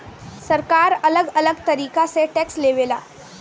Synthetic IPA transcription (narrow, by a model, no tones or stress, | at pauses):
sɐɾkaːɾɐləɡɐləɡt̪ɐɾiːkaseʈɛːksleːʋeːla̰ː